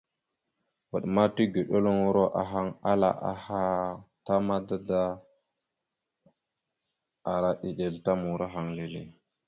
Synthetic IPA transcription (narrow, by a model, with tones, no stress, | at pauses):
wa˨ɗma˦ti˦ɡe˨ɗo˦lo˦ŋu˦ɾo˦ʔa̰˨ɦa˦ŋa˦la̰˨ʔa̰˨ha˦ta˦ma˦da˦da˦ | a˨ɾa˦ʔi˨ɗe˨lta˦mu˨ɾa˦ɦa˨ŋle˨lḛ˨